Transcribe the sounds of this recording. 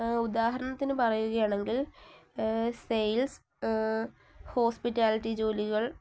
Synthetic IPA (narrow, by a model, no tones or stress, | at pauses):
ud̪aːɦɐɾɐɳɐt̪ːinɨpɐrɐjuɣɐjaːɳe̞ŋɡil | sejls | ho̞ːspitːaːliʈːid͡ʑo̞ːliɣɐɭ